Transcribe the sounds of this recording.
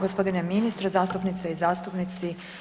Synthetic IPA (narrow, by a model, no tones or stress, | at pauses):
ɡospod̪ineminist̪ɾezaːst̪upnit̪seizaːst̪upnit̪si